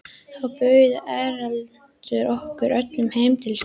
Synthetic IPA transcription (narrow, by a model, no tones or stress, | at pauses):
θawpœɥðʏʔɛɾal | t̪ʏɾɔhkʏɾœt̪lʏmhejmt̪ʰɪls